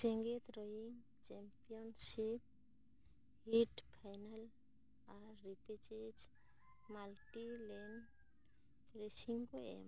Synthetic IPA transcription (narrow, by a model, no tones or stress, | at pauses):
seŋɡet̪ɾɔjiŋ | t͡ʃɛmpiɔnsip̚ | hiʈfʰajnal | aɾipet͡ʃed͡ʒ | malʈilen | ɾesiŋɡoḛm